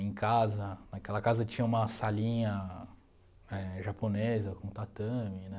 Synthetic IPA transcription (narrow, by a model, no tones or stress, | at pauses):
ẽkazɐnakɛlɐkazɐt͡ʃĩɲɐ̃ũmɐsaʎĩɲɐ | ɛʒaponezɐkõt̪at̪ɐ̃minɛ